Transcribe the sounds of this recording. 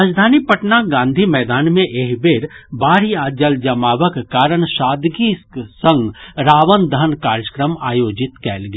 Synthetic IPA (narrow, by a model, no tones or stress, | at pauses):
aːd͡ʒd̪ʱaːnipɐʈnaɡãːnd̪ʱimɛːd̪aːnmẽʔeɦbeːɾbaːɾiaːd͡ʒəld͡ʒɐmaːʋəkkaːɾəɽʃaːd̪ɡisə̃ŋɡɾaːʋənd̪ənkaːɾjəkɾəma̰ːjoːd͡ʒɪt̪kɛːlɡe